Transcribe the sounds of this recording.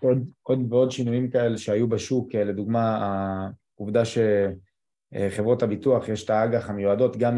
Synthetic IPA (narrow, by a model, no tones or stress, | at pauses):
od̪ʔo̞d̪veo̞dʃinujimkae̞leʃeajubaʃukle̞d̪uɡmaː | uvd̪aʃe | χe̞vʁo̞thabituaχjeʃtaaɡaχamjuado̞t̪ɡam